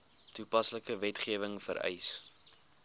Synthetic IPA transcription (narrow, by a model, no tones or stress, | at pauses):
tupɐsləkəvɛtχiəvəŋfə̰ɾʔɛ̰js